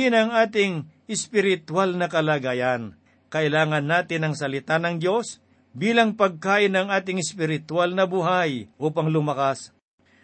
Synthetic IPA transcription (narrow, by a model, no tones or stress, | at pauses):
ɪnɐŋʔaːt̪ɪŋ | ɪspɪɾɪt̪walnɐkɐlaɡaːjɐn | kɐʔɪlaːŋɐnːaːt̪ɪnɐŋsɐlɪt̪anɐŋd̪jo̞s | biːlɐŋpɐɡ̚kaːʔɪnɐŋʔaːt̪̬ɪŋɪspɪɾɪt̪walnɐbuɦajʔuːpɐŋlʊmɐkas